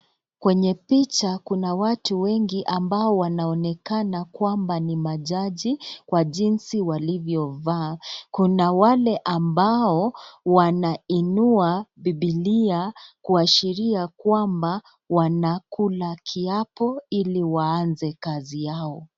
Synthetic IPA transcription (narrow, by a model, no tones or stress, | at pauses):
kwɛɲɛpit͡ʃakunawatuwɛŋɡiʔambaɔwanaɔnɛkanakwambanimaʄaʄikwaʄinsiwalivjɔvaːkunawalɛʔambaɔwanainuabiɓiliakuaʃiɾiakwamba | wanakulakʰiapɔiliwaːnzɛkazijaɔ